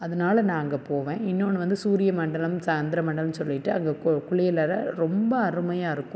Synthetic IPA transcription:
ɐðɐnaːlɐnaːŋɡɐpoːʋẽːɪnːoːnːɯʋɐnd̪ɯsuːɾɪjɐmɐɳɖɐlɐmsaːnd̪ɪɾɐmɐɳɖɐlɐnsɔlːɪʈːɯɐŋɡɐkʊɭɪjɐlɐɾɐɾɔmbɐːɾɯmɐjaːɪɾɯkːʊ̃

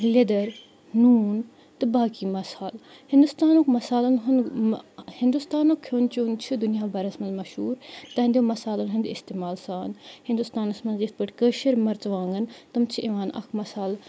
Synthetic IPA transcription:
led̪ɐɾ | nuːn | t̪ɨbaːkimɐsaːl | hɪ̃nd̪ust̪aːnokmɐsaːlɐnɦʊn | hɪ̃nd̪ust̪aːnokʰoːnt͡ʃuːnt͡ʃʰud̪unijaːbɐɾɐsmɐnzmɐʃhuːɾt̪ɐɦɐnd̪iomɐsaːlɐnɦũnd̪ɪst̪eːmaːlsaːnhɪ̃nd̪ust̪aːnɐsmɐnzist̪̚bəʈʰkəːʃiɾmɐɾt͡sʋãːŋɡənt̪ɐmt͡ʃʰiʔiʋaːnɐ̰kʰmɐsaːl

